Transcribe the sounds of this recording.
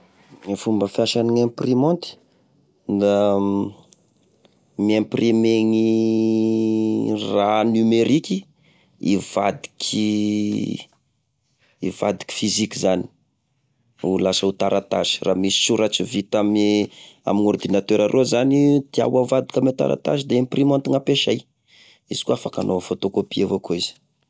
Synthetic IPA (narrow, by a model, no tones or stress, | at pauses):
ŋefumbəfjaʃaniŋemprimõnt̪i̥ | nd̪a | miemprimeŋi | ranymeɾiki | ḭv̥ad̪i̥kʲʰi | iva̰d̪i̥kʲi̥fizikizani̥ | ulasəut̪aɾʔat̪a̰ʒi̥ramisi̥suɾat͡ʃivit̪am | a̰minord̪inat̪øɾaɾʔozanid̪̥ia̰wavad̪ikʲamet̪a̰ɾa̰t̪a̰ʒid̪eemprimãnt̪uŋapeʃa̰j | iz̥i̥kuafaka̰nofot̪okopievokoiz̥i̥